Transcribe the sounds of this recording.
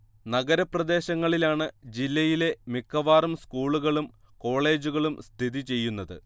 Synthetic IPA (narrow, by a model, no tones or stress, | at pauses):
nɐɡɐɾɐprɐd̪e̞ːɕɐŋːɐɭilaːɳɨd͡ʑilːɐjile̞mikʰːɐʋaːrumskuːɭuɣɐɭum | ko̞ːɭe̞ːd͡ʑuɣɐɭumst̪ʰid̪it͡ɕe̞jːunːɐðɨ̰